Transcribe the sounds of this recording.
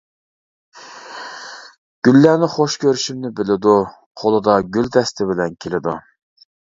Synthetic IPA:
ɡ̥ʲylːænɪχoʃkʲʰøɾyʃymnɪbɪlɪd̪u | qʰolˠɨd̪ɑɡʲylt̪ʰɛst̪ʰɪbɪlɛnkʲʰelɪd̪ṵ

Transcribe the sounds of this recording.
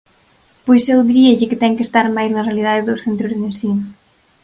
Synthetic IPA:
pojsɛwðɾieʎeket̪ɛŋkest̪aɾmajznɐrealið̞aðeðowsθent̪ɾuzððensin

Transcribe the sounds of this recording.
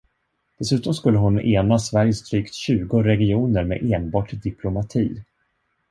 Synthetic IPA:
d̪̥ɛsʉ̟ːt̪ɔmskɵlːəɦʊneːnasvæɾjəst̪ʰɾyːkt̪ɕʉ̟ːɡʊɾɛɡɪuːnəɾmḛʔeːnbɑːʈd̪ɪpʰlʊmat̪ʰiː

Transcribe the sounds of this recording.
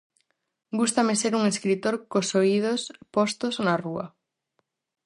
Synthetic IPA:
ɡust̪amɪseɾuŋeskɾit̪oɾkosoið̞ospost̪oznaruɐ̰

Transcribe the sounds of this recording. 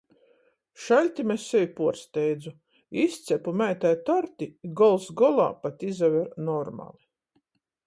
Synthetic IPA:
ʃalʲt̪ʲimesːɛvʲipuɔɾst̪ɛjd̪zu | ist̪sɛpumæjt̪ajt̪ɔɾt̪iɡɔlˠsɡɔlˠa̰ːpat̪izavʲɛɾnɔɾma̰lˠi

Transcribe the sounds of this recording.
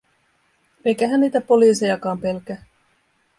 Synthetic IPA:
e̞jkæɦænniːt̪æpo̞liːse̞jɑkɑːmpe̞lk̟æ

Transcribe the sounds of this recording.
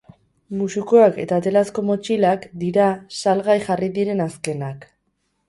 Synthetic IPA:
musikoake̞̰t̪at̪e̞lasko̞mo̞t͡ʃilakd̪iɾasalɣajxariðiɾe̞naske̞nak

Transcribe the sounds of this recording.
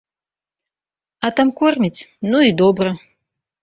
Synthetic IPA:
at̪amkɔrmʲit͡sʲnuid̪ɔbrɐ

